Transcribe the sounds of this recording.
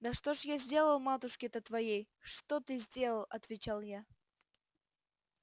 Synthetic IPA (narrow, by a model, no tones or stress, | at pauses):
d̪əʂt̪oʐjazʲdʲe̞lˠəlˠmat̪ʊʂkʲɪt̪ət̪vɐjej | ʂt̪ot̪ɨzʲdʲe̞lˠəlˠɐt̪vʲɪt͡ɕalˠja